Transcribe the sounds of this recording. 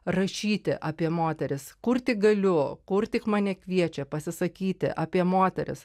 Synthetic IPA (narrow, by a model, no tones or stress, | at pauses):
rɐʃʲiːt̪ʲɪʔɑːpʲiɛmoːt̪ʲɛɾʲɪskʊrt̪ʲɪk̚ɡɐlʲʊkʊrt̪ʲɪkmɑːnʲɛkʋʲiɛt͡ʃʲɛpɐsʲɪsɐkʲiːt̪ʲɪ̰ʔɐːpʲiɛmoːt̪ʲɛɾʲɪ̰s